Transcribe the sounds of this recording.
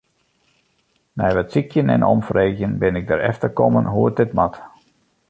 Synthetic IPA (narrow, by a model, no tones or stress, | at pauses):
nɛjʋɛtsikʰjənɛ̰nʔɔ̰mfreːɣjənbɪnɪɡ̚dəɾɛ̰ftərkɔmənɦuət̚dɪtmat